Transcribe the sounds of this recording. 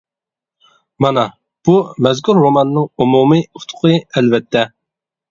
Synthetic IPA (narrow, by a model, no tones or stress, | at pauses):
mɑnɑ | b̥umɛzkʰʲuɾːomɑnnɨŋumumiut̪ʰʊ̥qʰɨɛlvɛt̪ʰːɛ